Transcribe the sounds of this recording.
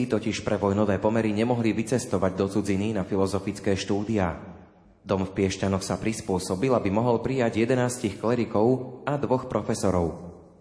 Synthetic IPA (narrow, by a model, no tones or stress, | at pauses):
it̪ɔciʃpɾʔɛʋɔjnɔʋɛːpɔmɛɾiɲɛmɔɦliʋit͡sɛst̪ɔʋaɟd̪ɔt͡sud͡zininafilɔzɔfit͡skɛːʃt̪uːd̪iaː | d̪ɔmfpɪɛʃcanɔxsapɾispʊɔsɔbilabimɔɦɔlpɾijaɟjɛd̪ɛnaːscixklɛɾikɔʊad̪ʋɔxpɾʔɔfɛsɔɾɔʊ